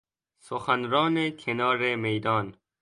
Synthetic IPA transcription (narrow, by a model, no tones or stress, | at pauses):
soxanɾɒːnekʰenɒːɾemejd̪ɒːn